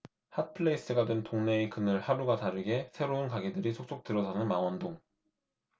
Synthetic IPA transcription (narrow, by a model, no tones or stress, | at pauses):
hat̚pʰɯɭeis͈ɯɡadwentoŋne̞ːkɯnɯɭhaɾuɡataɾɯɡe̞sʰe̞ɾounkaɡedɯɾisʰok̚s͈ok̚tɯɾʌsanɯnmaŋwʌndoŋ